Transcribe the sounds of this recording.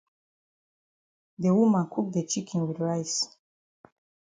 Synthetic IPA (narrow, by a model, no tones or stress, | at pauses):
dewumãnkʰuk̚d̪et͡ʃikʰĩnwidɹajs